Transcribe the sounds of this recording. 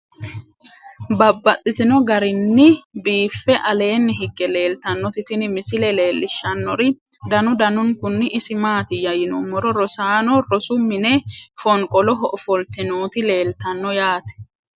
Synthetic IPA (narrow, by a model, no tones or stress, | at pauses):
bɐbːɐt̪ʼːɪt̪ɪnɔɡɐɾɪnːɪbiːfːɛʔɐle̞ːnːɪɦɪɡːɛle̞ːlt̪ɐnːɔt̪ɪt̪ɪnɪmɪsɪlɛle̞ːlːɪʃːɐnːɔɾɪd̪ɐnʊd̪ɐnʊŋkʊnːɪʔɪsɪmaːt̪ɪjɐjɪnɔmɔɾɔɾɔsaːnɔɾɔsʊmːɪnefɔŋkʼɔlɔɦɔʔɔfɔlt̪ɪnoːt̪ɪle̞ːlt̪ɐnːɔjaːt̪ɛ̥